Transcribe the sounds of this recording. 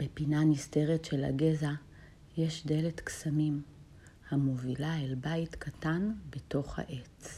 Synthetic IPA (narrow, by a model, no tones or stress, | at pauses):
b̥epinaniste̞ʁetʃela̰ɡeza | jeʃde̞letksamim | hamovilaelbajtkʰatanbeto̞χha̰ʔet͡s